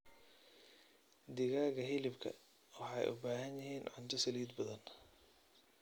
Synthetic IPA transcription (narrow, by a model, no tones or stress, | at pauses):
d̪ɪɣaːɣɐɦɪlɪbkʰɐ̰ | wɑħɑjʔʊ̰baːɦɐnjɪɦiːnʕʊnt̪ʰɐsɐliːd̪bɐðɐn